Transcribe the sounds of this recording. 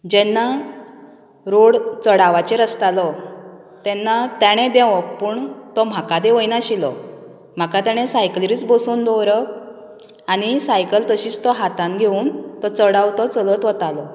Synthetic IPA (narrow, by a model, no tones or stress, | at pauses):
d͡ʑɛnːa | ɾoɽt͡səɽaʋat͡ɕeɾəst̪alɔ | t̪ɛnːat̪aɽ̃ẽd̪ẽʋɔpuːɳt̪ɔm̤akad̪eʋəjnaɕilɔ | m̤akat̪aɽ̃ẽsajkliɾiːt͡sbɔsuːnd̪ɔɾɔ | aɽ̃isajkəlt̪əɕiːt͡st̪ɔɦat̪anɡʱeuːnt̪ɔt͡səɽaʋt̪ɔt͡sələt̪ʋət̪alɔ